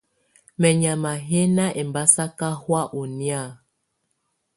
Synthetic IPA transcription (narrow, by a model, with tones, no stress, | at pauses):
mɛ˨ɲa˨ma˨ɦe˦na˦ʔe˨m˨ba˦sa˦ka˦hwa˦ʔu˨nja˦˨